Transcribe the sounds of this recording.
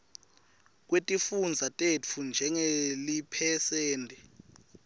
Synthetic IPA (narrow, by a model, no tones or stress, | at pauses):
k̬wetʼifund͡zʱatʼefʰund͡ʒʱɛŋelipʰɛsɛːntʼɛ